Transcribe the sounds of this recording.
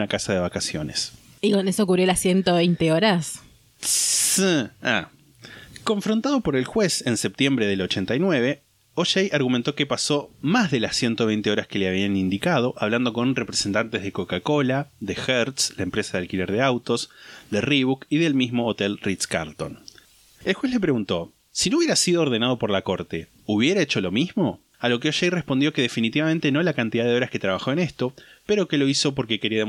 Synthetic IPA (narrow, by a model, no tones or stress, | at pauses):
nakasaðe̞βakasjo̞̰nes | ikonesoːk̬uβrjolasjent̪oβejnt̪eoɾas | sia | ko̞ɱfɾont̪að̞o̞po̞ɾe̞lxwese̞nse̞p̚t̪je̞mbɾeðe̞lo̞t͡ʃe̞nt̪ajnwe̞βe̞ | oʃejʔaɾɣumẽnt̪o̞kepaso̞mazðe̞lasje̞nt̪oejnt̪eo̞ɾaske̞leaβ̞ianind̪ikað̞o̞ʔaβland̪o̞ko̞nrepɾese̞nt̪ant̪ezð̞eko̞kako̞laðe̞xeɾt̪slaempɾesaðealkile̞ɾð̞eawt̪o̞sðeriβukiðe̞lmizmo̞ːt̪e̞lrit̪ska̰ɾlt̪o̞̰n | elxwesle̞p̬ɾe̞ɣunt̪o̞ | sinouβjeɾasiðoːɾð̞e̞nað̞o̞po̞ɾlako̞ɾt̪e̞ | uβje̞ɾaet͡ʃo̞lo̞mizmo̞ | alo̞keoʃejrespond̪jo̞ke̞ðe̞finit̪iβamẽnt̪enolakant̪iðaðeo̞ɾasket̪ɾaβaxo̞ene̞st̪o̞pe̞ɾo̞ke̞lo̞iso̞p̬oɾkekeɾiaðe